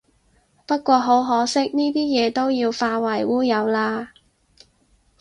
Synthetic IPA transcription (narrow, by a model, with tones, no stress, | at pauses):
pɐ˥t̚kʷɔː˧ɦo˨˥wɦɔː˨˥sɪ˥k̚niː˥t̪iː˥jɛː˨˧t̪o˥wjiː˧wfaː˧wɐ˨˩jwuː˥jɐ˨˧wlaː˧